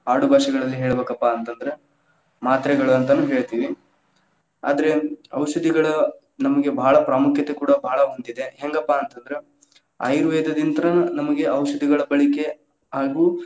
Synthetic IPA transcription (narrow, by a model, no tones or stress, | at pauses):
aːɽubʱaːʃiɡɐɭɐlːiɦeːɭɐbeːkɐpːaːnt̪ɐnd̪ɐɾe | maːt̪ɾɛɡɐɭuɐnt̪ɐnuːɦeːɭt̪iːʋi | a̰ːd̪ɐɾe̞ɐ̰wʃɐd̪ʱiɡɐɭɐ | nɐmɐɡe̞bʱaːɭɐpɾaːmukʰjɐt̪ekuːɽɐbʱaːɭɐɦond̪id̪e̞ɦeŋɡɐpːaːnt̪ɐnd̪ɐɾe̞ | a̰jɾuʋɛːd̪ɐd̪int̪ɐɾɐnɐmɐɡe̞ʔɐwʃɐd̪ʱiɡɐɭɐbɐɭike̞ | aːɡuː